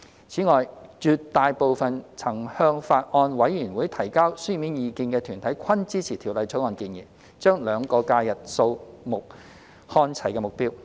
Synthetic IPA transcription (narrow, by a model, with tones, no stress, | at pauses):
t͡sʰiː˨˥ŋɔː˨jt͡ʃyː˨˧tt̪ːaː˨jpo˨˧wfɐ˨nt͡sʰɐ˨˩ŋhœː˧ŋfaː˧t̚ʔɔː˧nwɐ˨˥jjyː˨˩nwuː˨˥jt̪ʰɐ˨˩jkaː˥wsyː˥miː˨˥njiː˨˧kiː˧nkɛː˧t̪ʰyː˨˩nt̪ʰɐ˨˥jkʷʰɐ˥nt͡siː˥t͡sʰiː˨˩t̪ʰiː˨˩wlɐ˨˧jt͡sʰo˨˥wɔː˧nkiː˧njiː˨˩ | t͡ʃœː˥ŋlœː˨˧ŋkɔː˧kaː˧jɐ˨t̚so˧wmʊ˨k̚ | hɔː˧nt͡sʰɐ˨˩jkɛː˧mʊ˨˩k̚piː˥w